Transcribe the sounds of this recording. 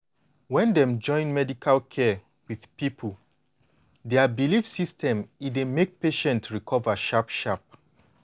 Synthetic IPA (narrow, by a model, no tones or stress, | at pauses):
wɛ̃ndɛ̃md͡ʒɔ̃ɪ̃nmɛdikʰalkʰɛ | wið̥pipʰul | dɛabilifsistʰɛ̃midemek̚peʃɛ̃ntɹikʰɔvaʃapʃap̚